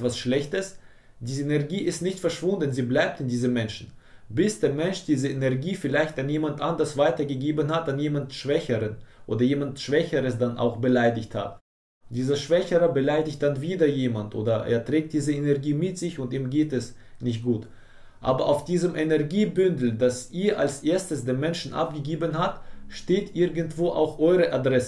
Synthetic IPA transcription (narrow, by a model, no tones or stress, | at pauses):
v̥asʃlɛçtəs | d̥iːzenɛɐɡiːʔɪstnɪçtfɛɐʃv̥ʊndn̩ziːblaɪp̚tɪndiːzəmːɛnʃn̩ | bɪsd̥eːɐmɛnʃd̥iːzəenɛɐɡiːfɪlaɪçtanjeːmantʔandɐsv̥aɪtɐɡəɡeːbənhatanjeːmantʃv̥ɛçəʁənʔo̰ːdɐjeːmantʃv̥ɛçəʁəsd̥anʔa̰ʊxb̥əlaɪdɪçtha̰t | d̥iːzɐʃv̥ɛçəʁɐbəlaɪdɪçt̚d̥anviːdɐjeːmantʔo̰ːdɐʔḛːɐtʁ̥ɛːk̚t̚d̥iːzəenɛɐɡiːmɪtz̥ɪçʊntiːmɡeːtɛs | nɪçt̚ɡ̥uːt | ʔa̰ːbɐʔaʊfd̥iːzəmʔɛnɛɐɡiːbʏndl̩dasʔiːɐʔalsʔeːɐstəsd̥eːmːɛnʃn̩ʔa̰p̚ɡ̥əɡeːbənɦatʃteːtʔɪɐɡəntv̥oːʔa̰ʊxʔɔʏʁəʔadʁɛsə